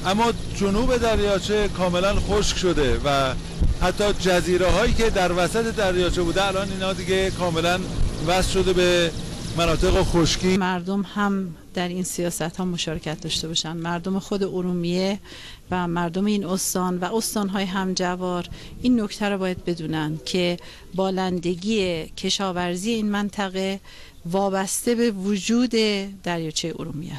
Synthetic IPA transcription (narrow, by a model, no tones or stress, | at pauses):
ʔæmːɒː | d͡ʒonuːbe̞d̪æɾjɒːt͡ʃʰe̞kʰɒːme̞lænxoʃkʃod̪e̞væ | hæt̪ʰːɒːd͡ʒæziːɾeɦɒːjiːced̪æɾvæsæt̪ʰed̪æɾjɒːt͡ʃʰebuːd̪eælɒːniːnhɒːd̪iɡekʰɒːme̞lænvæst̪ʃo̞d̪e̞bemænɒːt̪ʰe̞ɣoxoʃkiːmæɾd̪omhæm | d̪̥æɾiːnsijɒːsæt̪hɒːmoʃɒːɾecʰæt̪̚d̪ɒʃt̪e̞bɒːʃænd̪mæɾd̪omexod̪e̞ʔoɾuːmije | væmæɾd̪omeiːnost̪ɒːnvæo̞st̪ɒːnɦɒːjeɦæmd͡ʒævɒːɾ | ʔinːo̞ct̪ʰæɾɔbɒːjæd̪̚be̞d̪uːnænd̪cʰe̞ | bɒːlænd̪e̞ɟiːecʰe̞ʃɒːvæɾzije̞iːnmænt̪ʰæɣe̞ | vɒːbæst̪e̞be̞vod͡ʒuːd̪e̞d̪̥æɾjɒːt͡ʃʰejeʔo̰ɾumḭjæ̰s